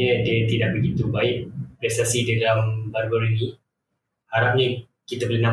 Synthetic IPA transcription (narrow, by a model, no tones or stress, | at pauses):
ədiət̪idaʔ̚bəɡit̪ubaɪʔ̚pɾɛst̪asididalambarboɾini | haɾap̚ɲə | kit̪abəlina